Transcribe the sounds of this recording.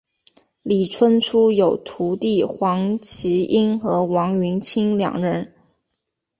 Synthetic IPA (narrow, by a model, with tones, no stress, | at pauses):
li˨˩ʈ͡ʂʰwə˥nʈ͡ʂʰu˥jo˨˩ʊt̪ʰu˧˥t̪i˥˩xwɑ˧˥ŋt͡ɕʰi˧˥i˥nxɤ˧˥wɑ˧˥ŋɥy˧˥nt͡ɕʰi˥ŋljɑ̰˨˩ŋɻə˧˥n